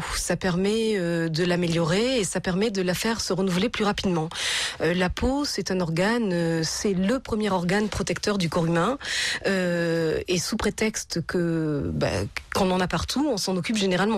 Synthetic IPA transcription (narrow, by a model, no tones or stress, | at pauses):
sapɛʁmɛød̪əlameljɔʁeːsapɛʁmɛd̪əlafɛʁsəʁənuvleplyʁapid̪mɑ̃ølapʰosɛt̪ɛ̃nɔʁɡanøsɛləpχəmjɛʁɔʁɡanpχɔt̪ɛkt̪œʁd̪ykɔʁymɛ̃ø | esupχet̪ɛkst̪kʰəba̰kɑ̃lɑ̃napaʁt̪ʰuɔ̃sɑ̃nɔkʲypʒeneʁalmɑ̃